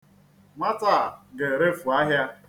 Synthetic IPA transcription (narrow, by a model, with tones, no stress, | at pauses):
ma˦ta˦˨ɡe˨ɾe˦fu˨a˦ɦja˦